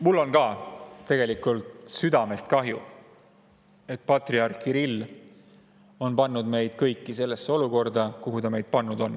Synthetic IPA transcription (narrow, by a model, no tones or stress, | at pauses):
mulːo̞nkɑːt̪e̞ɡ̥e̞likːˑult̪syd̪ɑme̞st̪̚kɑɦju | e̞t̪̚ːˑpɑt̪riɑrkiɾilː | o̞npɑnːud̪̥me̞jd̪̥̚kɤjkːˑise̞lːe̞sːeo̞luko̞rd̪ɑkuɦud̪ɑme̞jd̪̥̚pɑnːud̪̥o̞n